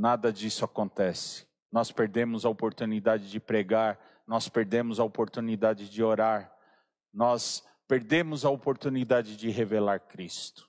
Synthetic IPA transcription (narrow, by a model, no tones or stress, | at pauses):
nad̪ɐd͡ʒisʊakõnt̪ɛsɪ̥ | nɔspeɾd̪ẽmʊzɐopoɾt̪unid̪ad͡ʒɪd͡ʒɪpɾeɡaɾ | nɔspeɾd̪ẽmʊzɐopoɾt̪unid̪ad͡ʒɪd͡ʒɪoɾaɾ | nɔs | peɾd̪ẽmʊzɐopoɾt̪unid̪ad͡ʒɪd͡ʒɪɦevelaɾkɾist̪ʊ̥